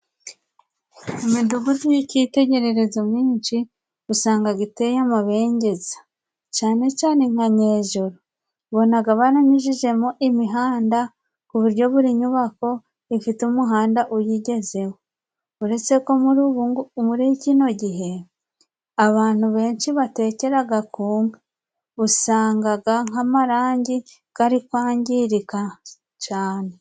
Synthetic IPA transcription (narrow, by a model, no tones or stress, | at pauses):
imiduɡuzijicite̞ɟe̞ɾe̞ɾe̞zomiːnʃi | usaːŋɡaɡite̞jamaβe̞ːɲɟe̞zḁ | t͡ʃaːne̞t͡ʃaːne̞ŋ̥haɲeːʒoɾo | βo̞naɡaβaɾaɲiʒiʒe̞moʔimiɦaːnda | kuβuɾɟo̞βuɾiɲuβako̞ | ifitumuɦaːndaʔujiɟe̞ze̞wo | uɾe̞t͡se̞kouɾuβuŋmuɾicino̞ɟiɦe̞ | aβaːn̥huβe̞ːnʃiβate̞ːce̞ɾaɡakuːŋɡḁ | usaːŋɡaɡaŋamaɾaːɲɟi | ɡ̥aɾikwaːɲɟiɾika | t͡ʃaːne̞